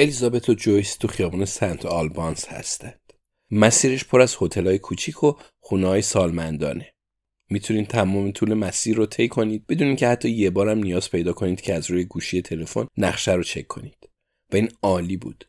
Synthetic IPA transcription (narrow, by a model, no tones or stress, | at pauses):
e̞lizɒbe̞t̪ʰod͡ʒojst̪ʰuxijɒːbuːnesænt̪ʰɒlbɒnshæ̰st̪ænd̪̥ | mæsiːɾeʃpʰoɾæz̥ho̞t̪ʰe̞lɒːjekʰut͡ʃʰikʰo | χunehɒːjesɒːlmænd̪ɒ̰ːne̞ | miːt̪ʰuniːd̪t̪ʰæmɔːmet̪ʰuːle̞mæsiːɾːot̪ʰe̞jkʰo̞niːd̪̚be̞d̪uniːncʰehæt̪ʰːɒːje̞bɒːɾæmnijɒːz̥pʰe̞jd̪ɒːkʰo̞niːd̪̥̚cʰeæzɾuːje̞ɡuːʃije̞t̪ʰe̞le̞fo̞̰nːæχʃæɾot͡ʃʰe̞̰kʰːo̞̰niːd̪̥ | væiːnɒːliːbṵːd̪̥